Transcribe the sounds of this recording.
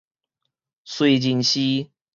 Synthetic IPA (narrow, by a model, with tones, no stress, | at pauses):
swe˥˧ɪt͡ɕi˧nɕi˦